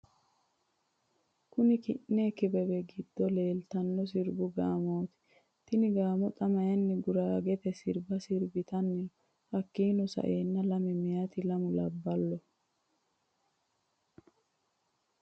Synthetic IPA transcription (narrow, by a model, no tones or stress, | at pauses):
kʊnɪkɪʔːeːkɪbɛbɛɡɪd̪̥ːɔleːlt̪ɐnːɔs̬ɪɾbʊɡaːmoːt̪ɪ̥ | t̪ɪnɪɡaːmɔt̪ʼɐmɐjɐnːɛɡʊɾaːɡɛt̪ɛsɪɾbɐsɪɾbɪt̪ɐnːɪnɔ | hɐkːiːnɔsɐ̰ʔeːnːɐlɐmɛmɪjat̪ɪlɐmʊlɐbːɐlːɔ